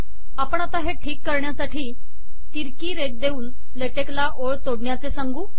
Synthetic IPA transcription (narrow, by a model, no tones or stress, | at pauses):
apəɳ̃at̪aɦeʈʰiːkːəɾɳjasaʈʰiː | t̪iɾkiːɾeɡ̚d̪euːn | leʈeklaʔoɭt̪oɽɳjat͡sesaŋɡuː